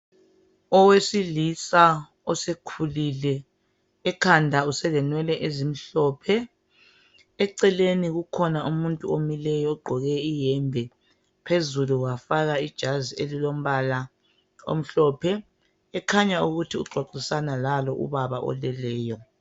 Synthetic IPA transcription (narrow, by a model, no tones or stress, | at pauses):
ɔwesilisa | ɔsekʰulilɛː | kʰandʱausɛlɛnwɛlɛʔezim̩ɬɔːpʰɛ | ɛǀɛleniɣukʰɔnaʔumuntʼuomilɛjɔɔɡ͡ǃʱɔɣɛijɛmbʱɛ | pʰezuluwafaɣaid̥ʒ̥ʱazielilom̩βala | o̰m̩ɬɔːpʰɛ | ɛkʰaɲauɣutʰiuɡ͡ǀʱwaǀisanalalɔʔṵβaβaʔɔ̰lɛlɛːjɔ